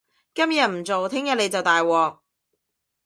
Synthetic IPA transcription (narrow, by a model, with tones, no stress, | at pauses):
kɐ˥mjɐ˨t̚m̩˨˩t͡so˨wt̪ʰɪ˥ŋjɐ˨t̚le˧jt͡sɐ˨wt̪aː˨jwɔː˨˩k̚